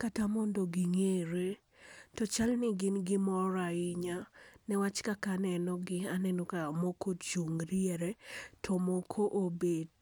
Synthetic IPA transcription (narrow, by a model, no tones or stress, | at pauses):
katamɔndoɡɪŋeɾe | tɔt͡ʃalnɪɡɪnɡɪmɔɾaɪɲanɛwat͡ʃkakanɛnɔɡɪanɛnokamokʰot͡ʃuŋɾiɛɾɛtʰɔmokʰoʔobed